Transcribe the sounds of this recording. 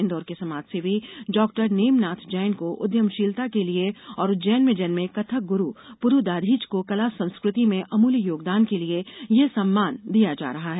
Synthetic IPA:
nd̪ɔːɾkesɐmaːd͡ʒsebʱiɖɔːk̚ʈəɾneːmnaːt̪ʰd͡ʒɛːnkoʔʊd̪jəmʃiːlt̪akelieɔːɾʊd͡ʒɛːnmɪ̃d͡ʒənmẽkɐt̪ʰək̚ɡʊɾupʊɾud̪aːd̪ʱiːt͡ʃkokɐlasɐ̃nskɾɪt̪imẽʔɐmuːlijoːɡd̪aːnkeliejesɐmːaːnd̪ijad͡ʒa̰ːɾɐɦaɦɛː

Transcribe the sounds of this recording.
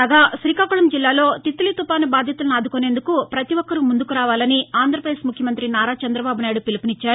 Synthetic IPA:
aːɡaːʃɾiːkaːkuɭɐmd͡ʒilːaːlo̞ːt̪it̪ːulit̪upaːnubaːd̪ʱjɐt̪ulɐnaːd̪ukone̞ːnd̪ukupɾɐt̪iʋɔkːɐɾumund̪ukuɾaːʋaːlɐniaːnd̪ʱɾɐpɾɐd̪eːsmukʰjɐmɐnt̪ɾinaːɾaːt͡ʃɐnd̪ɾɐbaːbunaːjiɽupilipunit͡ʃːaːɾu

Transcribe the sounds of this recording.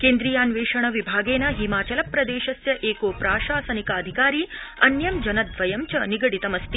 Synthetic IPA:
keːnd̪ɾijaːnʋeːʂɐɳ̃ɐʋibʱaːɡeːnɐɦimaːt͡ʃɐlɐpːɾɐd̪eːʃɐsjɐʔeːkoːpɾaːʃaːsɐnikaːɐd̪ʱikaːɾiːɐnjɐmd͡ʒɐnɐd̪ʋɐjɐmt͡ʃɐniɡɐɽit̪ɐmɐst̪i

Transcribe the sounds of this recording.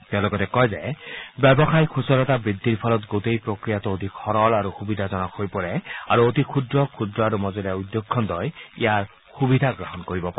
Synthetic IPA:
t̪ɛlɔɡɔtɛkɔjzɛbɛbɔxajkʰusɔlɔtabɹid̪ʱːiɹpʰɔlɔtɡotejpɹokɹijatuod̪ʱikxɔɹɔlaɹuxubid̪ʱazɔnakojpɔɹɛaɹuotikʰudɹɔkʰudɹɔaɹumɔzɔlijaud̪ːjokʰːɔndɔjḭjaɹ | xubid̪ʱaɡɹɔɦɔnkoɹibɔpaɛ

